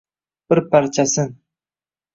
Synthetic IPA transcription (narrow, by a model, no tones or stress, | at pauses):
b̥ɪɾpaɾt͡ʃʰasɨŋ